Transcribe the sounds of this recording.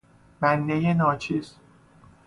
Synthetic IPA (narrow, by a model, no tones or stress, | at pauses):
bænd̪ejenɒːt͡ʃʰiːz